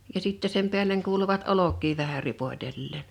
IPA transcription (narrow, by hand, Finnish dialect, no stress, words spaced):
jɑ siˑtːe sem peælˑeŋ kuːluʋɑt olokˑiː ʋæhæ ripoĭtelːeːn